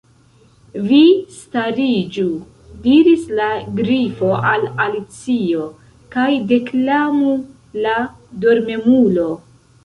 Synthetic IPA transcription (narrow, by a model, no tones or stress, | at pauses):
vistaɾid͡ʒu | diɾislaɡɾifo̞ʔalalit͡sio̞ | kajde̞klamu | la | do̞ɾme̞mulo̞